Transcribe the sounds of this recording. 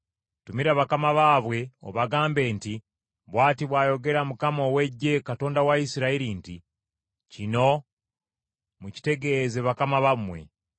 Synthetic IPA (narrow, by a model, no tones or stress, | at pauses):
tumiɾaβakamaβaːβwe̞o̰βaɡaːmbe̞ːnti | βwaːtiβwaːjo̞ɡe̞ɾamukamowe̞ɟe̞kato̞ːndawaisiɾaiɾinti | cino̞ | muci̥te̞ɡe̞zeβakamaβamwe̞̰